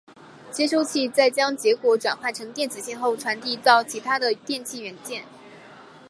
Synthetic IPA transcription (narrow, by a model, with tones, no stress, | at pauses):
t͡ɕjɛ˥ʂo˥ʊt͡ɕʰi˥˧t͡sa˥˩ɪt͡ɕjɑ˥ŋt͡ɕjɛ˧˥kwɔ˧˥ʈ͡ʂwa̰˨˩nxwa˥˩nʈ͡ʂʰɤ˧˥ŋt̪jɛ˥˩nt͡sɹ̩˨˩ɕɛ˥˧nxo˥˩ʊʈ͡ʂʰwa˧˥nt̪i˥˧t̪ɑ˥˩ʊt͡ɕʰi˧˥t̪ʰa˥d̪ə˨t̪jɛ˥˧nt͡ɕʰi˥˩ɥɛ˧˥nt͡ɕjɛ˥˩n